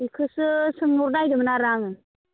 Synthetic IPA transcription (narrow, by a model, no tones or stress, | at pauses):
ikʰɯsɯsɯŋmuɾnajdɯmnaɾaŋɯn